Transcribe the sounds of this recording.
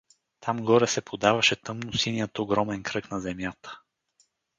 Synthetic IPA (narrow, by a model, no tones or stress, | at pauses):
t̪ʰamɡɔɾɛsɛpʰod̪avɐʃɛt̪ɤmnʊsinijət̪oɡɾɔmɛnkɾɤknɐzɛmjat̪ə̥